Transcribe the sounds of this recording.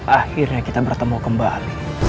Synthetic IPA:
ʔahɪrɲakit̪abərt̪əmukəmba̰li

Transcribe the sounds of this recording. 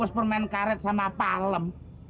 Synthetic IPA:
ʊspərmaɛnkaɾɛt̪̚samapaləm

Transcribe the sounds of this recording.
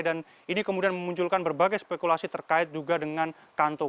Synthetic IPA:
dan | inikəmudianməmuɲt͡ʃulkanbərbaɡajspekulasit̪ərkaɪt̪̚d͡ʒuɡadəŋan | kant̪ɔ

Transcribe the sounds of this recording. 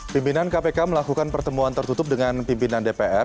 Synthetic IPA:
pimpinankapekaməlakukanpərt̪əmuant̪ərt̪ut̪ʊp̚dəŋanpimpinandepeʔɛr

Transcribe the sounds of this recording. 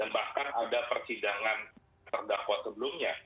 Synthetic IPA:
danbahkanadapərsidaŋan | t̪ərdakwasəbəlʊmɲa

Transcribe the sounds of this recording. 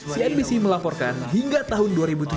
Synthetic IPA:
siɛnbisiməlapɔrkanɦiŋɡat̪aɦʊnduaɾibut̪u

